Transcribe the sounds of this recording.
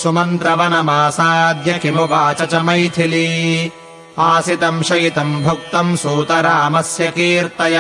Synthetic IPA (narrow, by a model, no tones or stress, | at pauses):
sumɐnt̪ɾɐʋɐnɐmaːsaːd̪jɐkimupaːt͡ʃɐt͡ʃɐmɐjt̪ʰili | aːsit̪ɐmʃɐjit̪ɐmbʱɐk̚t̪ɐmsuːt̪ɐɾɐɐmɐsjɐkiːɾt̪ɐj